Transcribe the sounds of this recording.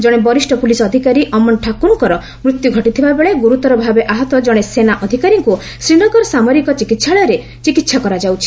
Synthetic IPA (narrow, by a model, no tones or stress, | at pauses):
d͡ʒɔɽebɔɾisʈɔpulisɔːd̪ʱikaɾiʔɔmɔnʈʰakunukɔɾɔ | mɾut̪juɡʱɔʈit̪ʰibabeɭeɡuɾut̪ɔɾɔbʱabeʔaɦɔt̪ɔd͡ʒɔɽ̃esenaʔɔd̪ʱikaɾiŋku | sɾiɽ̃ɔɡɔɾɔsamɔɾikɔt͡ʃikit̪sʰaɭɔjɾe | t͡ʃikit̪ʃʰakɔɾad͡ʒawt͡ʃʰi̥